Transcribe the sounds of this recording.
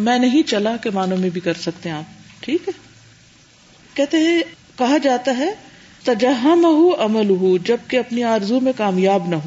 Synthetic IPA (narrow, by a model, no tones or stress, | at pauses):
mɛ̃ːnɐɦĩt͡ʃɐlakemaːnõmẽbʱikɐɾsɐkt̪eɦɛ̃aːp̚ʈʰiːkɦɛː | kɛɦt̪eɦɛ̃ | kɐɦad͡ʒaːt̪aɦɛ | t̪ɐd͡ʒɐɦːɐmɐɦuɐməlʊɦud͡ʒɐb̚keɐpniaːɾzumẽkaːmjaːbnɐɦo